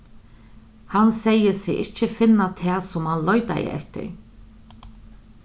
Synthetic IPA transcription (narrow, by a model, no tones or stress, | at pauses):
hansɛjːəsɪɣɪht͡ʃːəfɪnːat̪ʰɛːsʊmhanlɔjt̪a̰jə̰ʔɛ̰ht̪ɪ̰ɾ